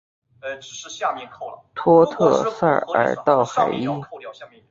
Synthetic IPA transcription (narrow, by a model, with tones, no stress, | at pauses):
t̪ʰwɔ˥t̪ʰɤ̰˥˧sa̰˥˧˩ə̰˨˩t̪ɑ˥˩ʊxa̰˨˩ɪi˥˧˥